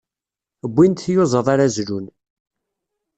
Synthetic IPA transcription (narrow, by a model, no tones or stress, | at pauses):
əbʷːint̪θjozˤəðˤaɾazlun